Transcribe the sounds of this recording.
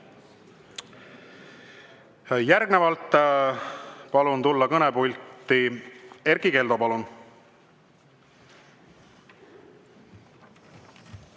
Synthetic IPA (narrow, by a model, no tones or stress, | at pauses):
jærɡnevɑlt̪ːˑ | pɑlunt̪ulːɑkɤnepulʲt̪ˑːie̞ɾɡike̞ld̪o̞pɑlun